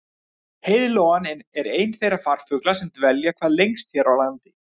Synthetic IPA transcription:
hejðɪloːwanɛnɛɾeːjnθejrafar̥fʏklasɛmt̪vɛljakʰvaːðlejŋst̪çɛɾawlant̪ɪ

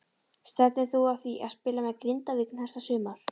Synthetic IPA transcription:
st̪ɛɾt̪nɪθuaθviʔaðspɪːlamɛɣkɾɪnt̪avɪkn̥hɛsasʏːmaɾ̥

